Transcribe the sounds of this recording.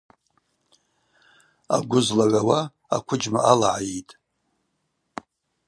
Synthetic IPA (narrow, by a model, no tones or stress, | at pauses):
a̰ɡʷʊzlaʕʷawa | a̰kʷʰʊd͡ʒmaʔalaʕajitʼ